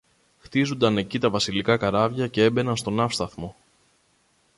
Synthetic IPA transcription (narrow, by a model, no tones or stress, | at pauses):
xt̪izund̪ɐne̞cit̪ɐvɐsilikɐkɐɾɐvʝɐce̞e̞be̞nɐnst̪o̞nɐfst̪ɐθmo̞